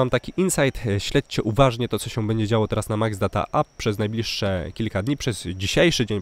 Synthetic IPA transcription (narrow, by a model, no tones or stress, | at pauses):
amt̪akʲiʔinsajt̪ɕlɛt͡ɕt͡ɕɛʔuvaʐɲɛt̪ɔt̪sɔɕɛ̃bɛɲd͡ʑɛd͡ʑawɔt̪ɛɾasnamaɡzd̪at̪a̰ʔappːʂɛznajblʲiʂːɛkʲilkad̪ɲipʂɛzd͡ʑiɕejʂɘd͡ʑeɲ